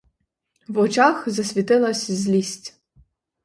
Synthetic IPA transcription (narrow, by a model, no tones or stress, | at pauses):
wɔt͡ʃaxzɐsʲʋʲit̪ɪlˠɐsʲzʲlʲisʲtʲ